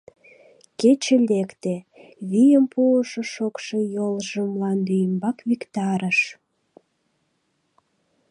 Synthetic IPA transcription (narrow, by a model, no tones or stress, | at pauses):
ket͡ɕelekt̪e | βijəmpuəʃoʃokʃejolʒəmlɑnd̪yjəmbɑkβikt̪ɑɾəʃ